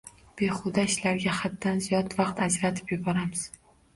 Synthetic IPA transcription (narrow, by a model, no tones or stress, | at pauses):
b̥e̞χʊd̪aɪʃlaɾɡʲahat̪ːanzijɒt̪vɑqt̪ad͡ʒɾat̪ʰɪ̥pjʊbɒɾamɪz̥